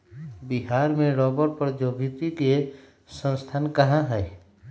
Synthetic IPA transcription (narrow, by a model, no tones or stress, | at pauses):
biɦaːɾmẽɽɔːbəɾpəɾd͡ʒoːbʱit̪ike | sə̃nst̪ʰaːnkɐɦãɦɛɛ